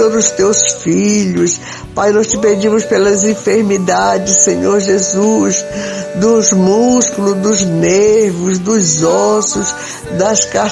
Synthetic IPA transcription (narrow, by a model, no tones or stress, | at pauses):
od̪zʊst̪ewsfiʎʊs | pajnɔst͡ʃɪped͡ʒĩmʊspelɐzĩfeɾmid̪ad͡ʒɪssẽɲoɾʒezusd̪ʊzmuskulʊd̪ʊzneɾvʊzd̪ʊzɔsʊs | d̪ɐska